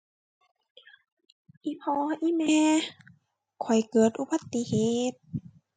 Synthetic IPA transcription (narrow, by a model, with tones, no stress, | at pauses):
ʔi˧˨pʰɔː˧ʔi˧˦˨mɛː˧ | kʰɔ˨˩jkɤː˨˩t̪̚ʔu˧˦ba˧˦t̪ːi˧˨heː˨t̪̚